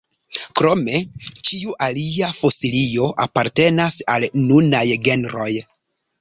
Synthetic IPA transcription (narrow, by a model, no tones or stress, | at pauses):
kɾo̞me̞t͡ʃiuʔaliafo̞silio̞ʔapaɾte̞nasalnunajɡe̞nɾo̞j